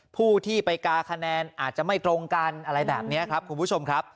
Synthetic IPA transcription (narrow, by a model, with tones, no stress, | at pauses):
pʰuː˥˩t̪ʰiː˥˩pa˧jkaː˧kʰa˧nɛː˧nʔaː˨˩t̪̚t͡ɕa˨˩ma˥˩jt̪ɾo˧ŋkaː˧nʔa˧ɾa˧jbɛ̰ː˨˩p̚ni˦˥ɐkʰɾa˦˥p̚kʰu˧npʰu˦˥˩t͡ɕʰo˧mkʰɾa˦˥p̚